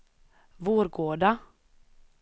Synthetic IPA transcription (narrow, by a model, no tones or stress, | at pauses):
voːɾɡoːɖa